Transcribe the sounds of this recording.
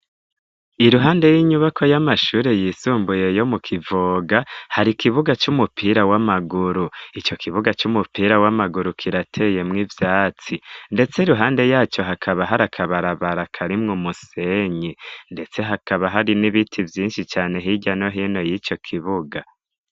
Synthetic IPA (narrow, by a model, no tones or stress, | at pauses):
iɾuɦaːnde̞jiɲuβakʰo̞jamaʃuːɾe̞jisuːmbuje̞jo̞mukʰivoːɡahaɾikiβuɡat͡ʃumupʰiːɾawamaɡuɾuit͡ʃo̞kʰiβuɡat͡ʃumupiːɾawamaɡuɾukʰiɾatʰe̞je̞mŋivjaːt͡sinde̞t͡seiɾuɦaːnde̞jaːt͡ʃo̞ɦakʰaβaɦaɾakʰaβaɾaβaɾakʰaɾimŋumuse̞ɲinde̞t͡se̞ɦakaβaɦaɾiniβitʰivjiːnʃit͡ʃaːne̞ɦiɟano̞ɦiːno̞jit͡ʃo̞kʰiβuɡa